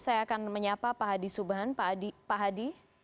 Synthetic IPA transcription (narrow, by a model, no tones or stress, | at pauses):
sajaːkanməɲapapaɦadisubaɦandipaɦadi